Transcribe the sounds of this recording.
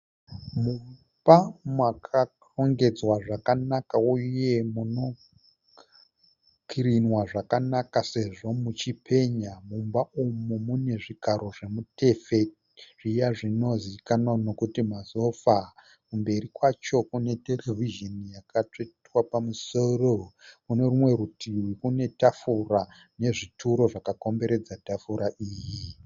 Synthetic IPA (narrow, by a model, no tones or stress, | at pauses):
mum | b̥amwakʰa | roŋɡe̞d͡zwaʐakanakauje̞muno̞ | kʰiɾinwaʐakanakase̞ʐo̞mut͡ʃipʰe̞ɲamumbaumumune̞ʐiɡʱaɾo̞ʐe̞mute̞fe̞ | ʐ̥ijaʐino̞zikanonokutimazo̞fa | kumbe̞ɾikwat͡ʃo̞kune̞te̞reviʒenijakat͡ʂetwapamuso̞rokune̞rumwe̞ɾutʰiwikune̞tafura | ne̞ʐitʰuɾo̞ʐakako̞mbe̞ɾe̞d͡zatafuɾaʔiːji